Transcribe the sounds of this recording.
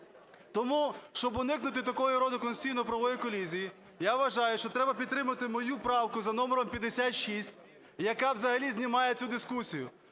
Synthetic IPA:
t̪ɔmuʃt͡ʃɔbɔnɪknʊt̪ɪt̪ɐkɔjʊɾɔd̪ɪkɔnssʲijnɔpɾɐʋɔjikɔlʲizʲiji | jaʋʋɐʒɑjʊʃt͡ʃɔt̪ɾɛbɐpʲd̪t̪ːɾɪmɐt̪ɪmɔjupɾɑwkʊzɐnɔmeɾɔmpʲjɐd̪esʲat̪ʃisʲtʲ | jɐkɑwzɐɦɐlʲizʲnʲimɑjet͡sʲud̪ɪskusʲijʊ̰

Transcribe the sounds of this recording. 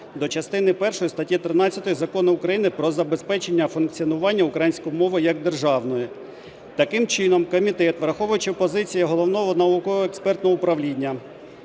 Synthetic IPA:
d̪ɔt͡ʃɐst̪ɪnɪpɛrʃɔjist̪ɐtʲjit̪ɾɪnɑt͡sʲːɐt̪ɔjizɐkɔnɪʊkɾɐjinɪpɾɔzɐbe̞spɛt͡ʃe̞nʲːɐfʊnkt͡sʲiɔnʊʋɑnʲːɐukɾɐjinʲsʲkɔjmɔʋɪjɐɡ̚d̪erʒɑʋnɔji | t̪ɐkɪmt͡ʃɪnɔmkɔmʲit̪ɛt̪ʋɾɐxɔʋʊjʊt͡ʃɪpɔzɪt͡sʲijɐɦɔlˠɔʋnɔɦɔnɐukɔɔekspɛrt̪nɔɦɔʊpɾɐʋlʲinʲːɐ

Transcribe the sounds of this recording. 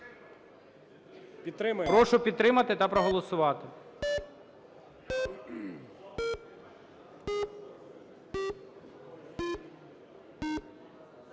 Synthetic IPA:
pʲid̪̚t̪ɾɪmɐpɾɔʃʊpʲid̪̚t̪ɾɪmɐt̪ɪt̪ɐpɾɔɦɔlˠɔsʊʋɑt̪ɪ

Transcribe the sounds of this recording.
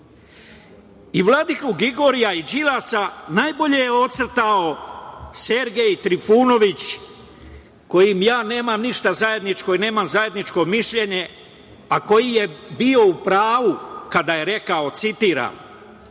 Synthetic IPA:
iʋlˠad̪ikuɡiɡo̞ɾijaid͡ʒilasanajbo̞ʎe̞jeo̞t̪sɾt̪ao̞se̞ɾɡe̞jt̪ɾifuːno̞ʋit͡ɕ | ko̞jimjaːne̞ːmamniʃt̪azaje̞d̪nit͡ʃko̞ine̞ːmamzaje̞d̪nit͡ʃko̞miʃʎe̞ɲe̞ | ako̞jije̞bio̞upɾaːʋukad̪aje̞ɾe̞kao̞t̪sit̪iːɾa̰m

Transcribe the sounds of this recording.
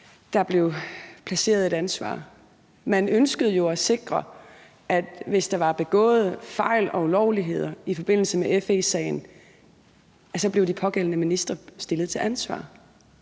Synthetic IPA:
d̥ɑ̈b̥le̝ʊpʰlæse̝̰ːɐð̩ˠe̝ɾ̥ænsʋɑ̰̈ː | mænønsɡ̥əð̞̩ˠjo̝æse̝ɡ̥ʁɐ | ʔæd̥ʋe̝sd̥ɑ̈ʋɑ̈b̥e̝ɡ̥ɔ̰̽ːð̞̩ˠəfɑ̈ɪ̰lɒ̽ulɒʊliɦe̝ð̞̰ˠɐifɒ̽b̥e̝n̰l̩səmeʔefesɛ̰ɪn̩ | æsɒ̽b̥le̝ʊd̥ipʰɒ̽ɡ̥el̰ənəminisd̥ʁɐsd̥e̝lð̩ˠt͡sʰe̝lʔænsʋɑ̰̈ː

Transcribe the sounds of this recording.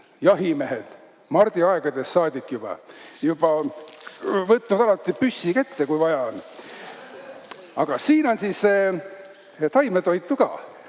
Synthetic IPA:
jɑɦimeɦed̪̥ | mɑrd̪̥iɑeɡ̥ɑd̪e̞sːɑːd̪̥ikːˑjub̥ɑ̰jub̥ɑ | vɤt̪ːnud̪̥ɑlɑt̪ˑːipysːiket̪ːekujvɑjɑon | ɑɡ̥ɑsiːno̞nsise | t̪ɑjmet̪o̞jt̪ːˑukɑ̰ː

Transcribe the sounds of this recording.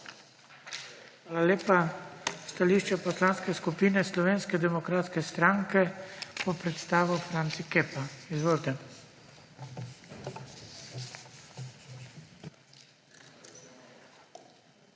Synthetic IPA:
xʋaːlaleːpast̪aliːʃt͡ʃɛpɔslaːnskɛskupiːnɛslɔʋeːnskɛd̪ɛmɔkɾaːt̪skɛst̪ɾaŋkɛpɔpɾɛt̪st̪aːʋufɾant̪sikeːpaizʋoːlt̪ɛ

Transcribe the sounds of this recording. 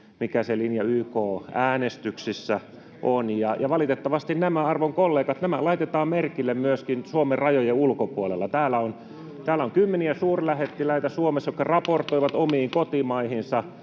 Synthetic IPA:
mikæselinjɑyːkoːæːnest̪yksisːæ | ʔonjɑjɑʋɑlit̪et̪ːɑʋɑst̪innæmæɑrʋoŋkolːeːkɑt̪næmælɑit̪et̪ɑːmmerkilːemmyøskinsuomerrɑjojeulkopuolelːɑt̪æːlːæon | t̪æːlːæoŋkymːeniæsuːrlæhet̪ːilæit̪æsuomesjokːɑrɑport̪oiʋɑt̪omiːŋkot̪imɑihinsɑ

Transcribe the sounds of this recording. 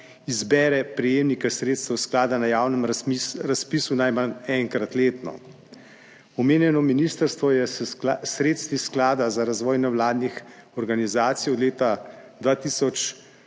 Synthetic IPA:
izbɛːɾɛpɾɛjeːmnikɛsɾeːt̪st̪ɛwsklaːd̪anajaːwnəmɾaspiːsunajmanɛŋkɾat̪leːt̪nɔ̰ | ɔmeːnjɛnɔminiːst̪əɾst̪ʋɔjɛsɾeːt̪st̪ʋisklaːd̪azaɾazʋɔːjnɛwlaːd̪nixɔɾɡanizaːt̪sijɔd̪leːt̪ad̪ʋaːt̪iːsɔt͡ʃ

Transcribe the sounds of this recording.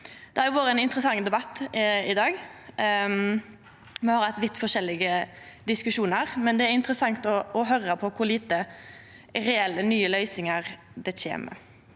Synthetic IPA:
d̪̥ɛæjʊʋoːɾəɛnɪnt̪ɾəsɑŋd̪ɛbɑt̪ːɪd̪ɑːɡ | mɛhɑɾhɑt̪ːʋɪt̪ːfɔʃɛlːɪɡə | d̪ɪskʉʃuːnəʁmɛnd̪ɛæɾɪnt̪ɾəsɑŋt̪ɔɔɦœɾəpʰɔkʰʊɾliːt̪ə | ɾɛɛlːənyːəlœʏsɪŋəʁ | d̪ɛçḛːmə̰

